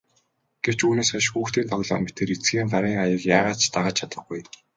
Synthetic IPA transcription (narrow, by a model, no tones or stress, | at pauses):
ɡ̥ew̥t͡ɕuːneːsaʃxuːxt̪iːnt̪ʰɔɣɮɔ̰ːmpit̪eːɾit͡sɡiːŋɢaɾiːŋajə̆kjaːʁaːt͡ɕʰt̪aʁaːt͡ɕʰat̪ə̆χɡuj